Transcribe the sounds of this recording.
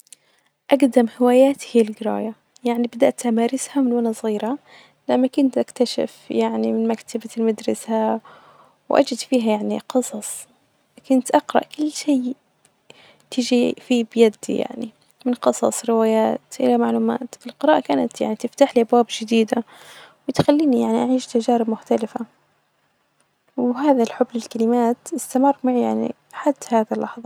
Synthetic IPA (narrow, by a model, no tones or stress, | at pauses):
ʔaɡd̪amhɪwaːjaːt̪hiːalɡɪɾɑ̰ːja | jaʕnibad̪aʔt̪ʔamaːɾɪshamɪnwanasˤɣiːɾa | lamːakʊnt̪ʔakt̪aʃɪ̰fjaʕnimɪnmakt̪ʰabalmad̪ɾˤɑsa | wʔa̰d͡ʒɪd̪fiːɦajaʕniqɨsˤɑsˤ | kʊnt̪ʔɑqɾˤɑ̰ʔkʊlːʃeː | t̪ɪd͡ʒifiːbjad̪ːḭja̰ʕnḭ | mɪnqɨsˤɑ̰sˤɾɪwaːjaːt̪ʔɪlamaʕluːma̰ːt̪fɪlqɨɾˤɑːʔakaːnat̪ja̰ʕnit̪ɪft̪aːħliːʔabwaːbd͡ʒɪd̪iːd̪awɪt̪xalːiːnijaʕniʔaʕiːʃt̪ad͡ʒaːɾɪbmʊxt̪alɪfa | wɦaːðalħʊbːlɪlkalɪmaːt̪ʔɪst̪amɑrˤːmaʕjaʕnḭ | ħad̪ːhaːðalːɑħðˤɑ